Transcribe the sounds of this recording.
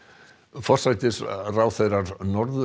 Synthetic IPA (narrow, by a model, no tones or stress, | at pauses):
fɔr̥saːjt̪ɪsraːwθeðɾaɾnɔɾðʏ